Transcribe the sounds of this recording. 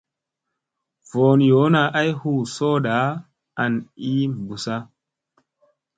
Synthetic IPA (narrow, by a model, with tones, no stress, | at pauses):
voː˨n˨jo˨˦na˨ʔa˦jhu˦˨soː˦ɗa˨˦ | a˨ni˦bu˨sa˦